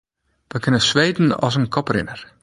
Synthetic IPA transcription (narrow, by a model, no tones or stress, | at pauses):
ʋəkɪnəsʋejdn̩ɔ̰sənkʰɔprɪ̰nər